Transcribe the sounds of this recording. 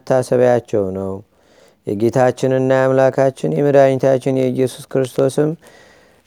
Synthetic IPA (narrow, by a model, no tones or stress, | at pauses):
t̪ʰːasəβjat͡ʃːɛwnəw | jɛ̰ɡe̞t̪ʰat͡ʃːɪnɨnːajamlakʰat͡ʃːɪnjɛmɨɾaɲt̪ʰat͡ʃːɪnjɛɨjːɛsu̥skɾɨst̪ʰo̞sɨm